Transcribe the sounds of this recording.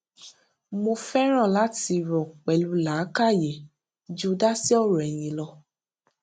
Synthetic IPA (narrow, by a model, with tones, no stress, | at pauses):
mo˧fɛ˦ɾ̃ã˦˨la˨˦ti˧ɾɔ˨k͡pɛ˨lu˧˦la˨˦ka˦˨je˨ | d͡ʒu˦da˦si˦ɔ˦˨ɾɔ˨ɛ˨j̃ĩ˧lɔ˧